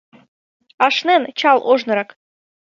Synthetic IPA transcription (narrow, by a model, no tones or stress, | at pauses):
ɑʃnent͡ɕɑlˠʔoʒnɤ̆ɾɑk